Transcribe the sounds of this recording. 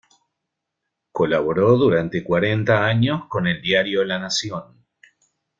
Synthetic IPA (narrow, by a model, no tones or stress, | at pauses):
kolaβoɾo̞ðuɾant̪e̞kwaɾent̪aaɲo̞sko̞neld̪jaɾjolanasjo̞n